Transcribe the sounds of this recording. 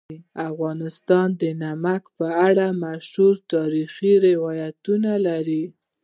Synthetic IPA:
afɣɑnɪst̪ɑnd̪ənamakpəaɽamaʃhuɾt̪ɑɾixiɾɪwɑjat̪unalaɾi

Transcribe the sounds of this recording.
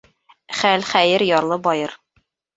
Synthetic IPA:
χælχæjɘɾjɒɾlˠɤbɒjɤɾ

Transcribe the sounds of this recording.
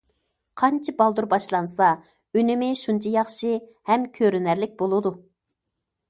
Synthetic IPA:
qʰɑnt͡ʃʰibɑlˠd̪uɾbɑʃlˠɑnsɑ | ynɪmɪʃunt͡ʃʰɑjɑχʃihɛmkʲʰøɾynæɾlɪk̚ʲbolˠɨd̪u

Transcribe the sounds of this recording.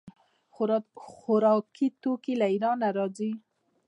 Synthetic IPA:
xʊɾɑkʰit̪okilaiɾɑnaɾɑzi

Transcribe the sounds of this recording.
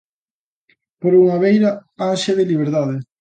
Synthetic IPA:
poɾuŋaβejɾaaʃeðɪliβ̞eɾðaðe

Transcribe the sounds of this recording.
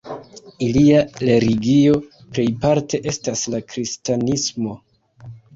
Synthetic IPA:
iliale̞ɾiɡio̞ | ple̞jpaɾtʰe̞ʔe̞staslakɾistanismo̞

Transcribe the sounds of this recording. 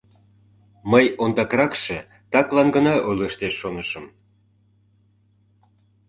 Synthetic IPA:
məjond̪ɑkɾɑkʃĕ | t̪ɑklɑnɡə̆nɑʔojlʲeʃt̪eʃːonəʃə̆m

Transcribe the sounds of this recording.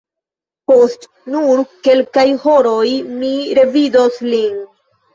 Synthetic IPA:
po̞st | nuɾke̞lkajho̞ɾojmiɾe̞vidoslin

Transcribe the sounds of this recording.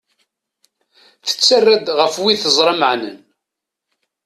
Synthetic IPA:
θə̥t͡sːərːad̪ʁəfwiθəzˤɾˤɑməʕnə̰n

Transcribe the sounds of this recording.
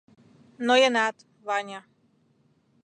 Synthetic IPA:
nɔjɛnat̪ | ʋaɲa

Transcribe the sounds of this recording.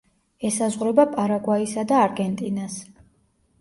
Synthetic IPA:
ɛsazʁɾɔbapʼaɾaɡwaisad̪aːɾɡɛnt̪ʼinas

